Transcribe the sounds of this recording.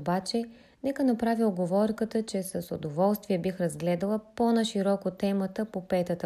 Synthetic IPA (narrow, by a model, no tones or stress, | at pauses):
bat͡ʃɛ | nɛkənɐpɾavilˠɡovɔɾkət̪ət͡ʃɛsəso̰d̪ovɔlˠst̪viɛbixɾɐzɡlɛd̪əlˠəponɐʃiɾɔkot̪ɛmət̪əpopɛt̪ət̪